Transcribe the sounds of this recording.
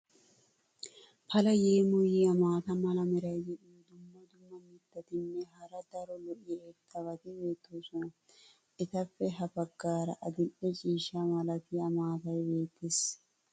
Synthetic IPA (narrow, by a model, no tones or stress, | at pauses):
pʰɐlɐjeːmʊjɪɐmaːt̪ɐmɐlɐmɪɾɐjd͡ʒɛᶑɪd̪ʊmːɔd̪ʊmːɐmɪd̪ːɐt̪ɪnːɛɦɐɾɐd̪ɐɾɔlɔʔɪet̪ʰːɐβɐt̪ɪbe̞ːt̪ːɔsɔ | ʔɪt̪ɐfːɛɦɐbɐɡːaːɾɐʔɐd̪ɪʔɛt͡ʃʼiːʃamɐlɐt̪ɪɐmaːt̪ɐjbe̞ːt̪ːɪs